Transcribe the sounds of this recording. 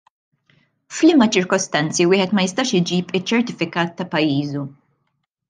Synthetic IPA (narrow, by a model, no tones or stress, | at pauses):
flɪmɐt͡ʃɪɾkɔst̪ɐnt͡siwɪːħɛt̪mɐjɪst̪ɐːʃɪd͡ʒiːpɪt͡ʃːɛɾt̪ɪfɪkɐːt̪ːɐpɐjːiːzu